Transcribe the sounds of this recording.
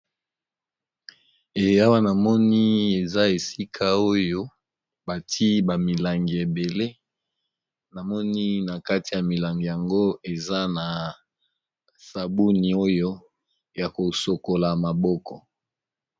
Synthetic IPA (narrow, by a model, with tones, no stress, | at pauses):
e˨ja˦wa˦na˨mɔ˦ni˦e˨za˦e˨si˦kʰa˦o˦jo˦ | ba˨tʰi˦ba˨mi˨la˨ŋɡi˨e˨be˨le˦ | na˨mɔ˦ni˦na˨ka˦ti˨ja˨mi˨la˨ŋɡi˨ja˨ŋɡo˦e˨za˦na˨ | sa˨bu˦ni˨o˦jo˦ | ja˨ko˨so˨ko˨la˨ma˨bɔ˦kɔ˨